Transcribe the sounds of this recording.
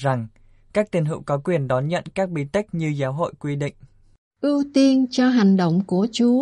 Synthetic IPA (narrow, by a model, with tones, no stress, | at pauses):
za˨˩ŋ | kaː˦˥k̚t̪i˨˧˩nɦḭ˧˨wkɔ˨˦kwi˨˩ənɗɔ˨˦nɲə̰˧˨nkaː˦˥k̚ɓḭ˧˨t̪i˦˥k̚ɲɨ˧zaː˨˦wɦo̰˧˨jkwi˧ɗḭ˧˨ŋ̟ | ʔi˧wt̪i˧ənt͡ɕɔ˧ɦa˨˩jŋ̟ɗə̰˧˨wŋ͡mku˧˩ət͡ɕu˨˦